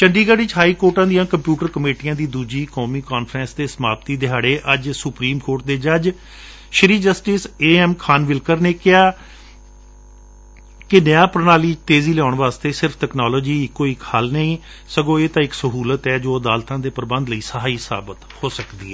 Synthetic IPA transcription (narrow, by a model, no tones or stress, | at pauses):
t͡ʃəɳɖiːɡaɽɪt͡ʃɦaːiːkoːɾʈãːd̪ijãːkəmpjuːʈəɾkəmeːʈijãːd̪iːd̪uːd͡ʒiːkɔːmiːkaːnpʰɾɛ̃ːnsd̪eːsəmaːpt̪iːd̪ɪɦaːɽeːʔəd͡ʒsʊpɾiːmkoːʈ̚d̪eːd͡ʒəd͡ʒ | ʃəɾiːd͡ʒəsʈɪseːɛmkʰaːnʋɪlkəɾneːkɪaː | kɪnɪjãːpəɾnaːliːt̪eːziːlɛaːʊɳʋaːst̪eːsɪɾpʰʈ̪ɛːknaːloːd͡ʒiːɪkːoːikhəlnəĩː | səɡõːeːt̪ãːɪksəɦuːlət̪ɛːd͡ʒoːəd̪aːlt̪ãːd̪eːpəɾbə̃nd̪ləiːsəɦaːiːsa̰ːbət̪hoːsəkd̪ḭːɦɛː